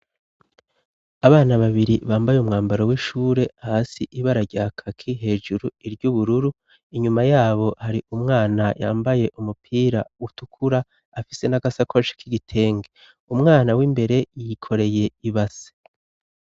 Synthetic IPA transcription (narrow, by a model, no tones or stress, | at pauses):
aβaːnaβaβiɾiβaːmbajeumŋaːmbaɾowiːʃuːɾe̞hasiʔiβaɾaɾɟaːkʰakʰiɦe̞ːʒuɾuiɾɟuβuɾuɾu | iɲumajaːβo̞haɾiʔumŋaːnaja̰ːmbaje̞ʔumupʰiːɾautukʰuɾaː | fise̞naɡasakʰot͡ʃe̥kʰiɡitʰe̞ːŋɡe | umŋaːnawiːmbe̞ɾe̞jikʰo̞ɾe̞je̞iβase̥